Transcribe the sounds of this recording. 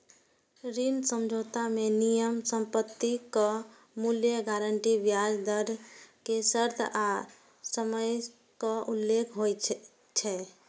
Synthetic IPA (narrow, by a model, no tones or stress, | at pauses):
ɾinsəmd͡ʒʱot̪amenijəmsəmpət̪ːikə | muljəɡaɾəɳʈibjad͡ʒd̪əɾkesəɾd̪ʰʱa | səməj | kəʔulːekʰɦoj | t͡ʃʰɛ